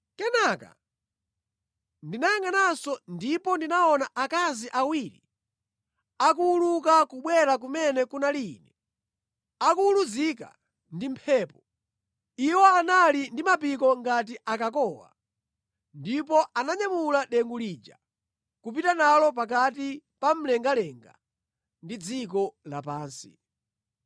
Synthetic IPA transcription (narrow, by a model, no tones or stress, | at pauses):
kɛnaka̰ | ndinajaŋɡanasɔndipɔndinaɔnaʔakaziʔawiːɾḭ | ak̬uulukakuɓwɛɾak̬umɛnɛkunalinɛ | akuuluzika̰ | ndimpʰɛːpɔ | iwɔanalindimapikɔŋɡat̬iʔakakɔːwa̰ | ndipɔʔanaɲamulaɗɛŋɡuliːd͡ʒa̰ | kup̬itanalɔp̬akat̬ipam̩lɛŋɡalɛŋɡa̰ | ndid͡zik̬ɔla̰paːnsi